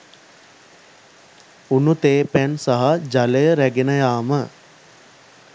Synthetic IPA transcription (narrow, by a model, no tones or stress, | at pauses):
unut̪eːpænsaɦad͡ʒaləjəɾæɡenəjaːmə